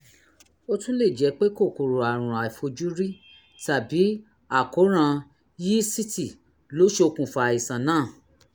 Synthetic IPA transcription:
o˦tũ˦le˦˨d͡ʒɛ˨˧˦k͡pe˦ko˦˨ko˨ɾo˨a˨ɾ̃ũ˨a˨i˨fo˧d͡ʒu˦ɾi˦ | ta˨bi˨˦ | a˨ko˨˦ɾ̃ã˧ | ji˦si˦ti˦˨ | lo˨˦ʃe˧o˧kũ˨fa˧a˨i˨sã˨nãː˦˨

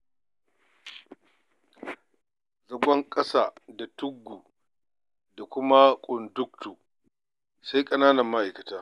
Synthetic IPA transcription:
zɐ˨ɡʷɐ˦ŋkʼɐ˦saː˦˨da˨tʊ˦ɡːuː˨ | da˨kʷʊ˦ma˦kʷʼʊ˨ndʊ˦k̚tuː˨ | sa˦jkʼɐ˦naː˦nɐ˨mːa˦ʔa˨jkɐ˨taː˦

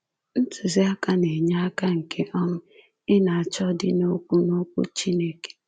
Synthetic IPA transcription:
n̩˦tʊ˨zɪ˦a˦ka˦ne˨ɲa˦a˦ka˦ŋ̩˨kʰe˦ʔɔ˦nʊ˦ | ɪ˦na˨a˨t͡ʃɔ˦dɪ˦no˦kʷu˦no˦kʷṵ˦t͡ʃi˦ne˦ke̥˨

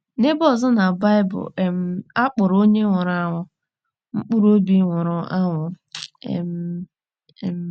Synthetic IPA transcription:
ne˦bɔ˦˨zɔ˦na˨ba˦ɪ˦bʊ̰˨m̩˦a˦k͡pʊ˨ɾo˦ɲe˦ŋʷʊ˨ɾa˦ŋʷʊ˦ | ŋ͡m̩˦k͡pu˦ɾo˦bi˦ŋʷʊ˨ɾʊ˨a˦ŋʷʊ̰˦˨ | m̩˦˨˦

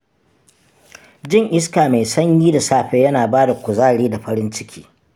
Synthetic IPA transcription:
d͡ʒɪ˦ŋʔɪ˦s̬kaː˨ma˨jsɐ˦ɲjiː˦da˨saː˦ɸeː˦jɐ˦naː˨baː˦da˨kʷʊ˨zaː˦ɽiː˦da˨ɸɐ˦ɾɪ˦nt͡ʃɪ˦kʲʰi̥ː˦

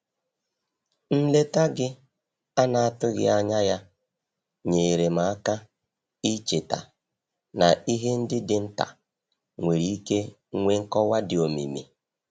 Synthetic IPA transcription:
n̩˦le˦ta˦ɡɪ˦ | a˦na˨a˦˨tʊ˦ɣɪ̰˦a˦ɲa˦ja˦ | ɲe˨ɾe˨m̩a˨a˦ka˦ | i˦t͡ʃe˨ta̰˨ | na˨i˦ɦe˦n̩˦dɪ˦dɪ˨n̩˦ta̰˨ | ŋʷe˨ɾi˨˦i˦ke˦ | ŋʷe˦ŋ̩˦kɔ˦wa˦dɪ˨o˨mḭ˨mḭ˨

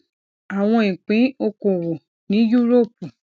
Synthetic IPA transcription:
a˨w̃ɔ̃˧ĩ˨k͡pĩ˨˦o˧kõ˨wo˨ | nĩ˨˦ju˦ɾo˦˨pu˨

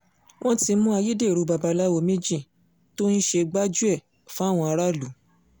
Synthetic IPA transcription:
w̃ɔ̃˦ti˧˦mũ˦a˧ji˦de˦˨ɾo˧˦ba˧ba˧la˦wo˧˦mĩ˦d͡ʒĩ˦˨ | to˦n̩˦ʃe˧ɡ͡ba˦d͡ʒu˦ɛ˦˨ | fũ˦a˦˨w̃ɔ̃˧a˧ɾa˦˨lu˨˦

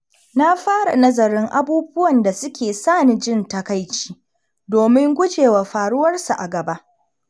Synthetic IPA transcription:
na˦ɸaː˦ɽa̰˨nɐ˦zɐ˨ɾɪ˦ŋʔa˦buː˦bʊ˦wɐ˨nda˨sʊ˦kʲeː˨saː˦˨ni˨d͡ʒɪ˦˨ntɐ˦ka˦jt͡ʃi̥ː˦ | doː˨mɪ˦ŋɡʷʊ˦d͡ʒeː˨waː˨ɸaː˨ɽʊ˦wɐ˦rsu˨ʔa˨ɡɐ˨ba˦ʔ

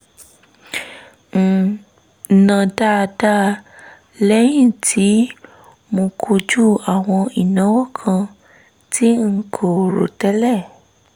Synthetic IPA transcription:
ŋ̩˨ | nã˨da˦˧da˦˨ | lɛ˦jĩ˦˨tʰi˨˦ | mõ˧kʰo˧d͡ʒu˦˨a˨w̃ɔ̃˧i˨nã˨˦wɔ˦kʰã˧ | tʰi˦ŋ̩˦˧˦kʰo˨ɾo̰˨tɛ˦lɛ˦˨

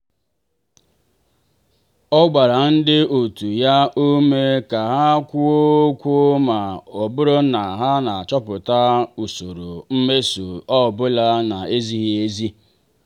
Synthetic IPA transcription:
ɔ˦ɡ͡ba˨ɾa˨n̩˦dɪ˦o˨tu˨ja˦ʔo˦me˦ka˨ɦa˦kʷu˦o˦kʷu˦o˦ma˨ɔ˨bʊ˦ɾo˦na˨ɦa˦na˨a˨t͡ʃɔ˦pʊ˨ta˦u˨so˨ɾo˨m̩˦me˦so˨ɔ˦˨bʊ˦la˦na˨e˦zi˦ɦi˦e˦zi˦

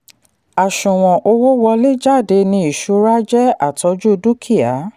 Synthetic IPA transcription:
a˨ʃũ˨w̃ɔ̃˨ʔo˧wo˦wɔ˧le˦d͡ʒa˦˨de˧nĩ˧i˨ʃu˧˦ɾa˦d͡ʒɛ˦a˦˨tʰɔ˨˧˦d͡ʒu˦˧du˦kʰi˦˨a˨˦

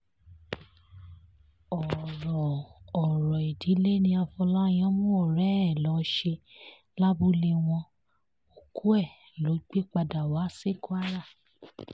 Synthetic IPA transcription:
ɔ˨ɾɔ˨ɔ˨ɾɔ˨i˨di˨˦le˦nĩ˧a˧fɔ˧la˦j̃ã˦mũ˦o˦˨ɾɛ˨˦ɛ˦˨lɔ˨˦ʃe˧ | la˦bu˦le˧w̃ɔ̃˧ | o˨ku˦ɛ˦˨ | lo˨˦ɡ͡be˦k͡pa˧da˨wa˨˦se˦˨ku˦a˦ɾa˦˨

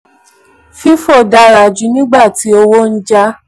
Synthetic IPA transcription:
fi˦fo˦˨da˧˦ɾa˨d͡ʒu˨˦nĩ˦ɡ͡ba˦˨ti˨˦o˧wo˦n̩˦d͡ʒa˦

